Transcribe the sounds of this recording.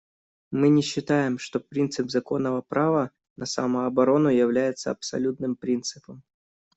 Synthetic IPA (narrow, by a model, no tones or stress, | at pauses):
mɨnʲɪɕːɪt̪ajɪmʂt̪o̞pɾʲint̪sɨpzɐko̞nːəvəpɾavə | nəsaməɐbɐɾo̞nʊjɪvlʲæjɪt̪səɐ̰psɐ̰lʲut̪nɨmpɾʲint̪sɨpəm